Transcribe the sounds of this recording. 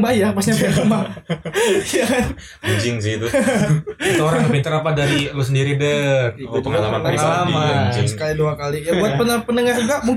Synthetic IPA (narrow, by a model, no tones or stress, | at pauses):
bajapasɲapəma | ja | id͡ʒɪŋsɪt̪u | atoɾaŋpint̪əɾapadaɾilosəndiɾibəkut̪əŋalamaalamaid͡ʒɪŋsəkaliduakalijabuat̪̚pənəpənəŋard͡ʒuɡamuŋ